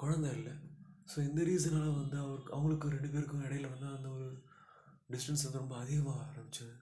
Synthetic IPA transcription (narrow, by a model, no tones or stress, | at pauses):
kɔɻɐnd̪ɐɪlːɐsoːɪnd̪ɐɾiːs̬ɐnaːlɐʋɐnd̪ɯɐʋɐɾɯkːɐʋɐŋɡɐɭɯkːɯɾɛɳɖɯp̬eːɾɯkːʊ̃ɛɽɐjɪlʋɐnd̪aɐnd̪ɐɔɾɯ | ɖɪsʈɐnsʋɐnd̪ɯɾɔmbɐːðɪɣɐmãːaːɾɐmbɪt͡ʃːɐðɯ